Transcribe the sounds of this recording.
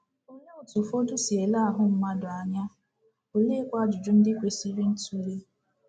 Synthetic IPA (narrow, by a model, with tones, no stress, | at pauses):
o˦ɲo˦o˨tu˨fo˦dʊ˦si˨e˨la˦a˨ɦʊ˦m̩˦ma˦dʊ˨a˨ɲa˦ | o˨le˦kʷa˦d͡ʒʊ˨d͡ʒʊ˦n̩˦dɪ˦kʷe˨si˦ɾi˦n̩˦tu˦ɾe˦